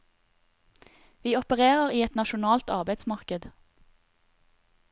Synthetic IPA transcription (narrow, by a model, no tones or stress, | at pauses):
ʋiːɔpəʁeːʁəʁiːɛt̪nɑʃʊnɑːlt̪ɑʁbæɪd̪smɑʁkəd̪